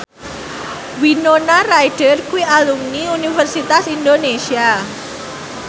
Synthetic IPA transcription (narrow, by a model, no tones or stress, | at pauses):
winonarajɖ̥ərkuwialuŋniunifərsit̪asindonesia